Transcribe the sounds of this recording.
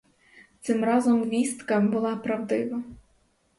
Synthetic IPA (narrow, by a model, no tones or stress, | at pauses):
t̪sɪmrɑzɔmʋʲist̪kɐbʊlˠɑpɾɐwd̪ɪʋɐ